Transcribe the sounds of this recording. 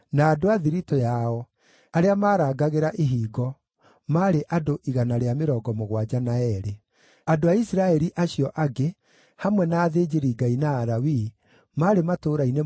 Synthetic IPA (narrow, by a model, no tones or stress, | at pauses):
naːdoaðiɾitojaɔ | aɾeamaːɾaːɡaɣeɾaʔeɦiːɡɔ | maɾeʔadoʔiɣanaɾeameɾɔːɡɔmoɣwad͡ʑanaɛɾe | adoaisɾaɛɾiʔaɕiɔʔaɡe | hamwɛnaːðeːd͡ʑeɾiɡainaːɾawi | maːɾematoːɾaine